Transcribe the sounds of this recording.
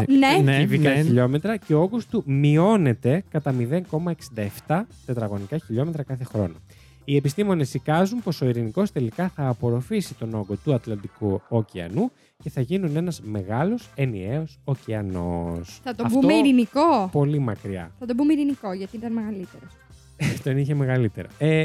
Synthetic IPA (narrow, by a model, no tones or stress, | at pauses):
neneevikɐçiʎo̞me̞t̪ɾɐce̞ooɡost̪umio̞ne̞t̪e̞kɐt̪ɐmiðe̞ŋko̞mɐe̞ksind̪ɐeft̪ɐt̪e̞t̪ɾɐɣo̞nikɐçiʎo̞me̞t̪ɾɐkɐθe̞xɾo̞̰no | ie̞pist̪imo̞ne̞sikɐzunpo̞so̞iɾiniko̞st̪e̞likɐθɐːpo̞ɾo̞fisit̪o̞no̞ɡo̞t̪uɐt̪lɐnd̪ikuociɐ̰nu | ce̞θɐʝinune̞nɐzme̞ɣɐlo̞se̞nieo̞sociɐno̞̰sθɐt̪oɐfbtuomeiɾinikopo̞limɐkɾiɐ̰θɐt̪obumeiɾiniko̞ʝɐt̪iit̪ɐnmeɣɐlit̪eɾos | t̪oniçeme̞ɣɐlit̪e̞̰ɾɐ̰e